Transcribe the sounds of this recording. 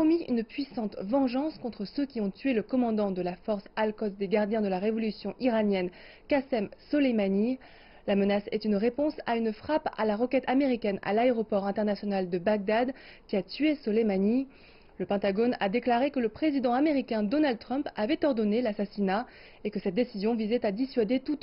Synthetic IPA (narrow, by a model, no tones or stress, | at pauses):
ɔmiy̰npɥisɑ̃t̪vɑ̃ʒɑ̃skɔ̃t̪χəsøkʲiɔ̃t̪ɥeləkɔmɑ̃d̪ɑ̃d̪əlafɔʁsalkɔt̪d̪eɡaʁd̪jɛ̃d̪əlaʁevɔlysjɔ̃ʔiʁanjɛn | kasɛmsɔlemani | lamənasɛ̰t̪ynʁepɔ̃saynfχapa̰laʁəkʲɛt̪ameʁikʲɛna̰laeʁɔpɔʁɛ̃t̪ɛʁnasjɔnald̪əbaɡ̚d̪ad̪ | kʲiat̪ɥesɔlemani | ləpɛ̃t̪aɡɔna̰d̪eklaʁekələpχezid̪ɑ̃ameʁikʲɛ̃d̪ɔnald̪̚t̪χœ̃mpavɛt̪ɔʁd̪ɔnelasasina | ekəsɛt̪̚d̪esizjɔ̃vizɛt̪ad̪isɥad̪et̪ut̪